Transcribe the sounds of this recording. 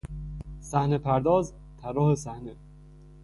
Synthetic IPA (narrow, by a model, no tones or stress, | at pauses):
sæhnepʰæɾd̪ɒːz | t̪ʰæɾːɒːhesæhne